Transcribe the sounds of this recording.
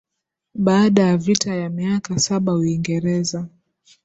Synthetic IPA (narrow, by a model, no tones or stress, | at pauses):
ɓaːɗajavitajamiakasaɓauiŋɡɛɾɛza